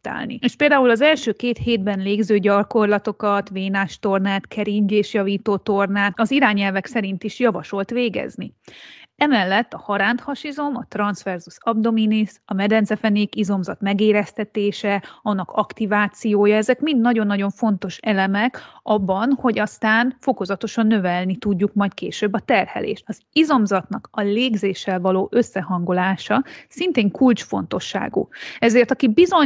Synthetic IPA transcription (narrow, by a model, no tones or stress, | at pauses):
t̪a̰ːlnḭeːʃpeːld̪aːulɒzɛlʃøːkeːt̪heːd̪̚bɛnleːɡzøːɟɒko̞rlɒt̪o̞kɒt̪veːnaːʃt̪o̞rnaːt̪kʰɛɾiɲd͡ʒeːʃjɒviːt̪oːt̪o̞rnaːt̪ɒziɾaːɲɛlvɛksɛɾint̪iʃjɒvɒʃo̞lt̪ʋeːɡɛ̰zni | ɛmɛlːɛt̪ːɒhɒɾaːnt̪hɒʃizo̞mɒt̪rɒnsfɛrzusɒb̚d̪o̞minisɒmɛd̪ɛnt̪zɛfɛneːkizo̞mzɒt̪mɛɡeːɾɛst̪ɛt̪eːʃɛɒnːɒkʰɒkt̪ivaːt̪sijoːjɒɛzɛkmind̪nɒɟo̞nːɒɟo̞ɱfo̞n̪t̪o̞ʃɛlɛmɛkɒbːɒnho̞ɟɒst̪aːnfo̞ko̞zɒt̪o̞ʃɒnːø̞vɛlnit̪uɟːukmɒjt̪keːʃøːbːɒt̪ɛrhɛ̰lḛːʃt̪ɒzizo̞mzɒt̪nɒkɒleːɡzeːʃːɛlvɒloːʔø̞sːɛɦɒŋɡolaːʃɒsint̪eːŋkult͡ʃfo̞n̪t̪o̞ʃːa̰ːɡṵɛzeːrt̪ɒkibizo̞